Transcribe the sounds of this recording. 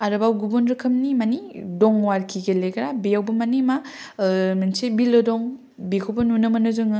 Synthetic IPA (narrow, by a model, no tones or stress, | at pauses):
aɾɯbawɡubunɾɯkʰɯmnimanidɔŋwaɾkʰiɡeleɡɐɾabijawbɯmanima | minsebilodɔŋ | bikʰobɯnunɯmɐnɯzɯŋɯ